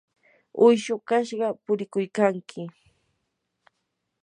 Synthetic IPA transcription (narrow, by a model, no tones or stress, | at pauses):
ʊjʃokaʃɢɑpʊɾɪkʊjkaŋkʰɪ